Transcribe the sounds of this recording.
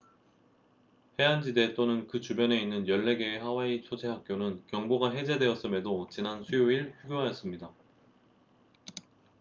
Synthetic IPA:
he̞and͡ʑide̞t͈onɯnkɯt͡ɕubjʌne̞inːɯnjʌɭːe̞ɡe̞hawait͡ɕʰod͡ʑʰe̞ɦak͈̚jonɯnkjʌŋboɡaɦe̞d͡ʑe̞dwe̞ʌs͈ɯme̞dot͡ɕinansʰujoiɭɸuɡjoɦajʌs͈ɯmɲida

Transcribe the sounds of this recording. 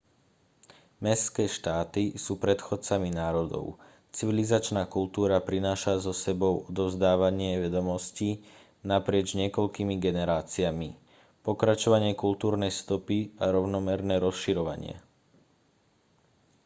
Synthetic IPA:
mɛskɛːʃt̪aːt̪isuːpɾɛt̪xɔt͡saminaːɾɔd̪ɔ̰ʊ | t͡siʋilizat͡ʃnaːkult̪uːɾapɾinaːʃazɔsɛbɔʊɔd̪ɔʊzd̪aːʋaɲɪɛʋɛd̪ɔmɔsci | napɾɪɛd͡ʒzɲɪɛkɔʎkimiɡɛnɛɾaːt͡siami | pɔkɾat͡ʃɔʋaɲɪɛkult̪uːɾnɛjst̪ɔpiaɾɔʊnɔmɛɾnɛːɾɔsʃiɾɔʋa̰ɲɪɛ̰

